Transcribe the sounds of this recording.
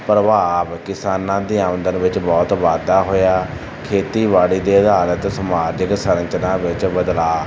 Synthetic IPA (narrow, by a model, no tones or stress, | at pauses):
pɾəʋaːʋkɪsaːnãːd̪iːaːʋə̃nd̪ənʋɪt͡ʃbɔːt̪ʋaːd̪aːɦoːjaː | kʰeːt̪iːʋaːɽiːd̪eːəd̪ʱaːlət̪səmaːɾd͡ʒəksəɾə̃ɲt͡ʃnãːʋɪt͡ʃbəd̪laː